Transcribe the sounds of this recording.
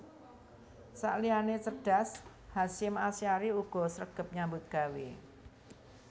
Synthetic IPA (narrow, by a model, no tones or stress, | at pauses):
sa̰ʔlianesəɖ̥a̤s | hasɪmasiaɾiuɡ̥ɔ̤səɾəɡ̥ə̤p̚ɲambʊt̪̚ɡ̥a̤wḛ